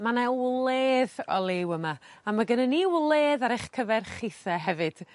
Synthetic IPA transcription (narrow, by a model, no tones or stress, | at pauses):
manɛlˠeːðɔ̰lˠɪwəmaːmaɡənəniwlˠeːðaɾeχkʰəvɛrχɪθɛɦɛvɨd̥